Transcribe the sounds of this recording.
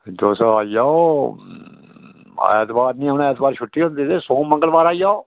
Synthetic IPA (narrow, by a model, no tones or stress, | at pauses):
d͡ʒoːsaaːijaːo | ɛ̰ːt̪baːɾnĩːənaɛːt̪baːɾʃʰʊʈːiːɦõːnd̪iːd̪eːsõːmə̃ŋɡəlbaːɾaːijaːoː